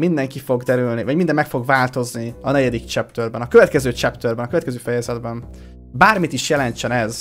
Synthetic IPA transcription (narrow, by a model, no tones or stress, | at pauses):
mind̪ɛŋkifo̞ɡd̪ɛɾylnivɒɟmind̪ɛmːɛkfo̞ɡvaːlt̪o̞zniɒnɛɟɛd̪ikt͡ʃɛpt̪ørbɛnɒkø̞vɛt̪kɛzøːt͡ʃɛpt̪ørbɛnɒkøɛt̪kɛzøːfɛjɛzɛd̪bɛn | baːrmit̪iʃjɛlɛnt͡ʃɛnɛz